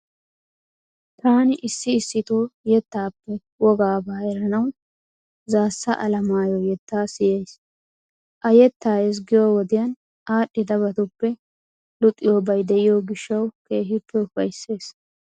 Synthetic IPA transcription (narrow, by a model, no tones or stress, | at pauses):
t̪aːnɪʔɪsːɪːsːɪt̪oːjɛt̪ːaːpːɛ | wɔɡaːbaːɛɾɐnɐw | zaːsːɐʔɐlɐmaːjoːjɛt̪ːaːsɪjɛjs | ʔɐjɛt̪ːaːjɛs̬ɡɪjoːwɔd̪ɪjɐn | aːɗːɪd̪ɐβɐt̪ʊpːɛ | lʊt̪ʼːɪjoːbɐjd̪ɛʔɪjoːɡɪʃːɐwke̞ːɦɪpːɛʊfɐjsːe̞ːs